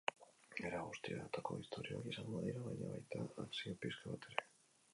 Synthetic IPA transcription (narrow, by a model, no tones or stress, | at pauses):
eɾaɣust̪iaðat̪akoist̪ʰoɾjokisalmoðejɾaβajɲa̰βajt̪aaksiopiskaβat̪eɾe